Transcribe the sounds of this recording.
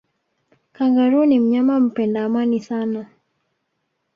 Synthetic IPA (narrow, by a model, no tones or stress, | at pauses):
kaŋɡaɾunim̩ɲamam̩pɛndaːmanisana